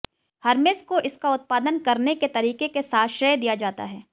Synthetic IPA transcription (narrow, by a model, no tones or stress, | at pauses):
hɐɾmɪskoʔɪskaʊt̪̚paːd̪ənkɐɾneket̪ɐɾiːkekesaːt̪ʃəjd̪ijad͡ʒaːt̪a̰ɦɛː